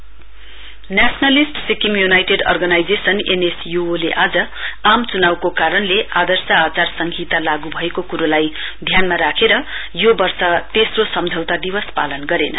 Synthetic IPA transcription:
njasnalisʈsikimjunajʈeɖʌ̰rɡʌnajd͡zesʌnenesjuoleʔad͡zʌamt͡sunawkokaɾʌnleʔad̪ʌrsaːt͡sarsʌŋɡʱit̪alaɡubʱʌekokuɾolajd̪ʱjanmaɾakʰeɾʌjobʌrsʌt̪esrosʌmd͡zʱʌwt̪ad̪ibʌspa̰lʌnɡʌɾenʌ̰

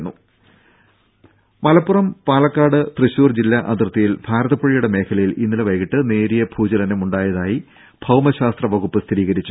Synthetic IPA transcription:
nːu | mɐlɐpːurɐmpaːɭɐkːaːɽɨt̪rɨɕuːrd͡ʑilːɐʔɐt̪rt̪ːɐjilbʱaːɾɐðɐpːɐɻijuɽe̞me̞ːkʰɐlɐjilinːilɐʋɐjɣiʈːɨne̞ːɾijɐb̥ʱuːd͡ʑɐlɐnɐmuɳɖaːjɐðaːji | b̥ʱɐwmɐɕaːst̪rɐʋɐɣupːɨst̪ʰiɾiːɣɐɾit͡ɕːu

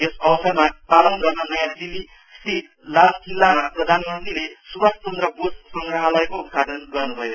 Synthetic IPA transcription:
esʌwʌsʌrmapalʌnɡʌrnʌnʌjad͡zili | st̪ʰit̪ | lalkilːamaprʌd̪ʱanmʌnt̪ilesubast͡sʌnd̪rʌbossʌŋɡɾʌɦalʌekout̪̚kadʌnɡʌrnubʱʌjo

